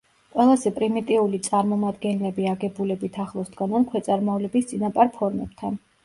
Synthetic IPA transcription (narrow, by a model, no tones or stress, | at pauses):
qʼwɛlˠazɛpʼɾimit̪ʼiulit̪sʼaɾmɔmad̪ɡɛnlɛbiaɡɛbulɛbit̪ʰaχlˠɔsd̪ɡanankʰwɛt̪sʼaɾmɔvlɛbist̪sʼinapʼaɾpʰɔɾmɛ̰b̥t̪ʰan